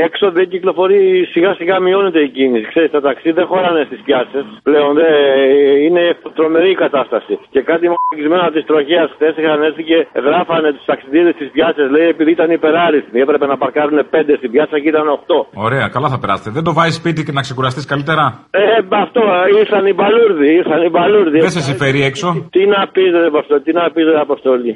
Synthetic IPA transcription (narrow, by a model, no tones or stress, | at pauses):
ekso̞ðeciklo̞fo̞ɾisiɣɐsiɣɐmio̞ne̞t̪e̞icinisikse̞ɾist̪ɐt̪ɐksiðexo̞ɾɐne̞st̪ispçɐsesple̞o̞nðe | ine̞t̪ɾo̞me̞ɾikɐt̪ɐst̪ɐsice̞kɐt̪imɐcizme̞nɐt̪ist̪ɾo̞çeɐsxθe̞sixɐnesθice̞ɣɾɐfɐne̞t̪u̥st̪ɐksiðiðest̪ispʝɐsɐsleie̞piðiit̪ɐnipe̞ɾɐɾiθmiepɾe̞pe̞nɐpɐɾkɐɾune̞pe̞nd̪e̞st̪ibʝɐsɐciit̪ɐno̞xt̪o̞o̞ɾe̞ɐkɐlɐθɐpeɾɐ̰set̪eðend̪o̞vɐzispit̪ienɐkse̞kuɾɐst̪iskɐlit̪e̞ɾɐemɐft̪o̞iɾθɐnibɐluɾðiiɾθɐnibɐluɾðieses̬ifeɾiekso̞t̪inɐpizet̪post̪olit̪inɐpizt̪eɐpost̪o̞li